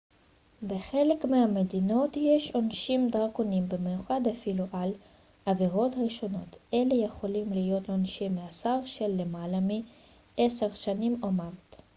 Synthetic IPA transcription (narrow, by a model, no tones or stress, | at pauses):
beχelekmehamedino̞tjeʃonʃimd̪aʁkonimbemejuχad̪afiluʔal | ʔaviʁo̞t̪ʁiʃo̞no̞t̪ʔele̞jeχo̞limlijo̞t̪lonʃimːeasaʁʃelːemalami | ʔeseʁʃanimomavt